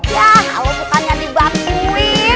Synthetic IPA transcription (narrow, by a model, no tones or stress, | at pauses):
jakalowbukanɲadibat̪ui